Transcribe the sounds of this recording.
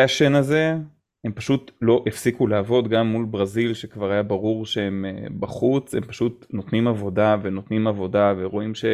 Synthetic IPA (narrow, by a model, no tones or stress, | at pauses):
aʃe̞naze̞ | empaʃutlo̞ʔifsikuleːvo̞d̪ɡamːulbʁazilʃekvaʁajabaʁuʁʃeemebaχut͡sempaʃutno̞t̪nimavo̞dave̞no̞t̪nimavo̞daveʁo̞imʃe